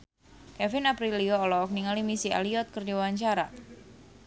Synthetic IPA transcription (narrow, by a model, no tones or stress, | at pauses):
kɛfɪnapɾiliɔːlɔːk̚niŋalimisia̰liɔt̪̚kɨrdiawaɲt͡ʃaɾa